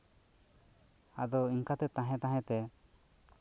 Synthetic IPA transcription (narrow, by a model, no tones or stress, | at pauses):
ad̪ɔiŋkat̪ɛt̪ãɦɛ̃t̪ãɦɛ̃t̪ɛ